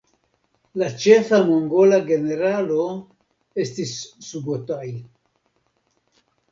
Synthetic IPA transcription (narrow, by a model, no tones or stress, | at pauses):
lat͡ʃefamoŋɡolaɡeneɾalo | est̪isːubot̪aj